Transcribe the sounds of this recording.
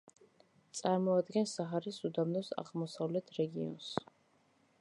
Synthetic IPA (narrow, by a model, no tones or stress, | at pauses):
t̪sʼaɾmɔad̪ɡɛnsaɦaɾisud̪amnɔsa̰ʁmɔsavlɛt̪ʰɾɛɡḭɔ̰ns